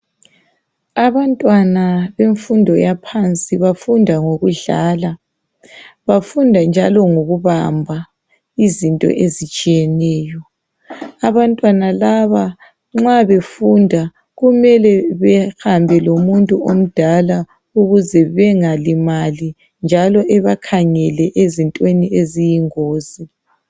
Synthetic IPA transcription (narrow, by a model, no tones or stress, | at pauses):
aβantʼwanaβeɱfundʱɔjapʰant͡sʼiβafundʱaŋoɣuɮaːla | βafundʱand͡ʒʱalɔŋoɣuβambʱa | izintʼɔ̰ʔezit͡ʃʼijɛnɛːjɔ | aβantʼwanalaβa | ŋ͡ǁaβefundʱa | ɣumɛlɛβɛxambʱɛlomuntʼuom̩d̥ʱala | uɣuzɛβɛŋalimali | nd͡ʒʱalɔʔɛβakʰaŋɛlɛʔezintʼweniezijiŋoːzi